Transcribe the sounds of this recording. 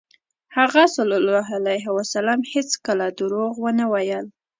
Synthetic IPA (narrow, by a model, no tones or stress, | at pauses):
haɣasalɔlːɑɦalajɦɪwasalamhet͡skəlad̪əɾoɣwənawajəl